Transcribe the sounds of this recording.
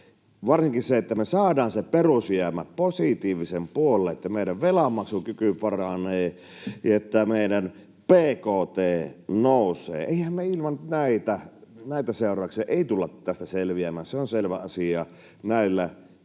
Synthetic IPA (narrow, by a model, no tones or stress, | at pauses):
ʋɑrsiŋkiseet̪ːæmesɑːdɑːnseperusjæmæpposit̪iːʋisempuolˑːeʔet̪ːæmeˑiɾæʋʋelɑmːɑksukykypɑrɑneː | jɑet̪ːæmeˑiɾæn | peːkoːt̪eːnoˑusˑḛːeˑihæmmeilmɑnnæit̪ænæˑit̪æseˑorˑɑˑukseɑʔeˑit̪ulːɑt̪æst̪æselʋiæmæːnseonselʋæ̰ɑsiɑ | næˑilːæ